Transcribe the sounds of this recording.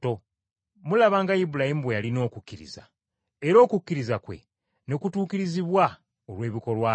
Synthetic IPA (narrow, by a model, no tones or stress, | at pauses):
to | mulaβaːŋɡaibulahimubwejalino̞ːkukʲːiɾḭza̰ | eɾo̞ːkukːiɾizakwe̞̰ | ne̞kutuːkiɾiziβwa | olwe̞ːβiko̞lwaː